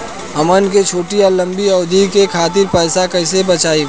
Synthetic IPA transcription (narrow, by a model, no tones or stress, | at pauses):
ɦɐmənket͡ʃʰoːʈijalɐ̃mbiɔːd̪ikekʰaːt̪̬ɪɾpɛːsakɐɪsebɐt͡ʃaːi